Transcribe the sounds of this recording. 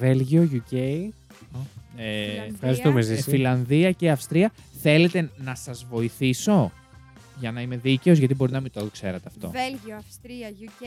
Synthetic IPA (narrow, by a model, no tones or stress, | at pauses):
velʝioʝuceji | efɐzit̪omezisfilɐnðiɐceɐfst̪ɾiɐ | θe̞le̞t̪e̞nɐsɐzvo̞iθiso̞ | ʝɐnɐime̞ðice̞o̞zʝɐt̪ibo̞ɾinɐmit̪okse̞ɾɐt̪eɐft̪o̞̰